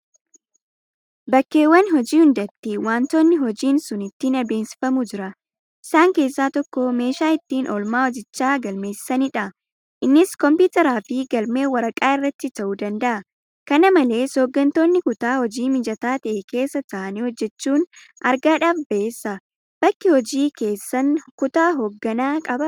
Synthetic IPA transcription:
bɐkːe̞ːwːɐnhɔd͡ʒiːhʊnd̪ɐt̪ːɪwaːnt̪oːnːɪɦɔd͡ʒiːnsʊnɪt̪ːinɐbe̞ːnsɪ̥fɐmʊd͡ʒɪɾɐ | ʔɪsaːŋke̞ːsːaːt̪ɔkːɔme̞ːʃaːɪt̪ːiːnʔɔlmaːwɔd͡ʒɪt͡ʃːaːɡɐlme̞ːssɐniᶑɐ | ʔɪnːɪskɔmpuːt̪ɛɾaːfɪɡɐlme̞ːwɐɾɐkʼaːɪrːɐt̪ːɪt̪ɐʔuːd̪ɐnd̪ɐʔɐ | kɐnɐmɐle̞ːsoːɡːɐnt̪o̞ːnːɪkʊt̪aːhɔd͡ʒiːmɪd͡ʒɐt̪aːt̪ɐʔeke̞ːsːɐt̪ɐʔɐniːhɔd͡ʒːɛt͡ʃːuːn | ʔɐɾɡaːᶑɐfbɐʔeːsːɐ | b̥ɐkːɪhɔd͡ʒiːke̞ːsːɐnkʊt̪aːɦoːɡːɐnaːkʼɐbɐ

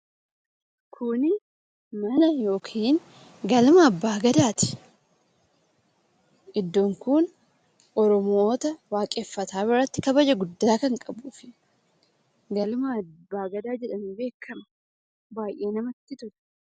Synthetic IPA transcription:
kʰʊnɪ | mɐnɐjo̞ːkʰiːŋ | ɡɐlmɐːbːaːɡɐd̪aːt̪ɪ̥ | ʔɪd̪ːoŋkʊn | ʔɔɾɔmo̞ːt̪ɐwaːkʼeːfːɐt̪aːbɪɾɐt̪ːɪkɐbɐd͡ʒɐɡʊd̪ːaːkɐŋkʼɐbuːfɪ | ɡɐlmɐɐbːaːɡɐd̪aːd͡ʒɛᶑɐnibe̞ːkʰːɐm | baːjʔe̞ːnɐmɐt̪ːɪt̪ʊɾɛ̥

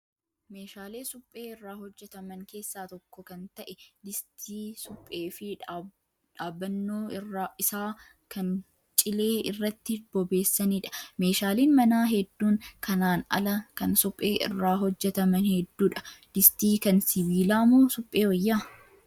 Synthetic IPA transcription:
meːʃaːleːsʊpʼːe̞ːɪrːaːhɔd͡ʒːɛt̪ɐmɐŋke̞ːsːaːt̪ɔkːɔkɐnt̪ɐʔɛd̪ɪst̪ʰiːsʊpʼːeːfɪ | ᶑaːbːɐnːoːɪraːɪsaː | kɐn | t͡ʃʼɪle̞ːɪrːɐt̪ːɪb̥ɔbe̞ːsːɐniːᶑɐ̥meːʃaːliːnmɐnaːɦɛd̪ːuːŋkʰɐnaːnɐ̰lɐkɐnsʊpʼːeːʔɪ̰rːaːɦɔd͡ʒːɛt̪ɐmɐnhɛd̪ːuːᶑɐ̥d̪̥ɪst̪iːkɐnsɪbiːlaːmoːsʊpʼːe̞ːwɐjːaː

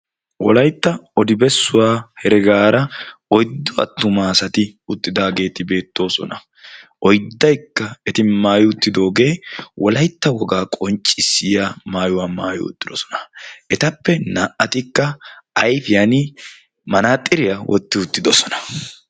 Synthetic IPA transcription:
wɔlɐjt̪ːɐɔd̪ɪbɛsːʊwaːhɛɾɛɡaːɾɐɔjd̪ːɔɐ̰t̪ːʊmaːsɐt̪ɪʊt̪ːɪd̪aːɡe̞ːt̪ɪbe̞ːt̪ːo̞ːsɔ̰nɐ | ʔɔjd̪ːɐjkːɐɛt̪ɪmaːjʊʊt̪ːɪd̪o̞ːɡe̞ːwɔlɐjt̪ːɐwɔɡaːkʼɔnt͡ʃʼːɪsːɪjamaːjʊwaːmaːjʊ̰ʊ̰t̪ʼːɪd̪ɔsɔ̥nɐ̥ɛt̪ɐpːɛnaːʔɐt̪ɪkːɐɐjfɪjɐnɪ | mɐnaːt̪ʼːɪɾɪjɐwʔɔt̪ːɪʊt̪ːɪd̪ɔsɔnɐ̥

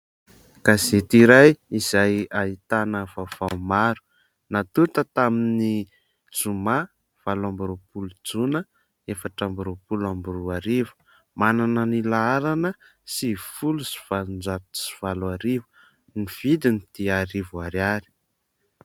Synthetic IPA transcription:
kazet̪iɾajizajait̪anəvavaumaɾu̥ | nat̪ut̪ət̪amini | d͡zuma | v̥alambuɾopulud͡zunə | efaʈ͡ʂambuɾopulambuɾuaɾivu̥ | mananənilaaɾanə | sifulusi̥v̥alund͡zapsi̥v̥alaɾivu̥ | niv̥id̪init̪iaɾivuaɾaɾi̥

